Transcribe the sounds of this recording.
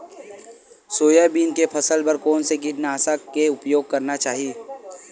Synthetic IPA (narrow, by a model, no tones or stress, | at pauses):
soːjabiːnkepʰɐsəlbəɾkoːnseɡiʈnaːsakeʊpjoːɡ̚kɐɾnat͡ʃaːɦieː